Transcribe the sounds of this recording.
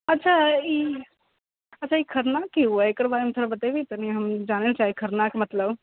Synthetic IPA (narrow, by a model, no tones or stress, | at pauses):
ɐtːʃʰaiː | ɐtːt͡ʃʰaikʰɐɾnakːiɦueekəɾbaːɾemet̪ʰoɾabɐt̪ebit̪ɐniɦɐmd͡ʒaːnelet͡ʃaːɦiekʰɐɾnakmɐt̪ləb